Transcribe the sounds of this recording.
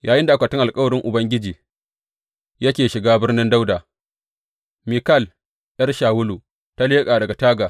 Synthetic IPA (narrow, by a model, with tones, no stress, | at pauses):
jaː˨jɪ˦nda˨ʔa˦kʷa˨tɪ˦ŋʔa˨lkʼɐ˦wɐ˨ɽɪ˦ŋʔʊ˨bɐ˦ŋɡʲɪ˦d͡ʒiː˨ | jɐ˦kʲeː˨ʃɪ˨ɡaː˦bɪ˦rnɪ˦nda˦wdaː˨ | mi˨kɐ˦˨l | ʔɐ˦rʃaː˨wʊ˦lu˨ | ta˦leː˦kʼaː˨dɐ˨ɡa˨taː˦ɡaː˨